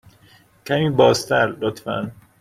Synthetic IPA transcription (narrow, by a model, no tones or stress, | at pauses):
cʰæmiːbɒːzt̪ʰæɾlot̪fæ̰n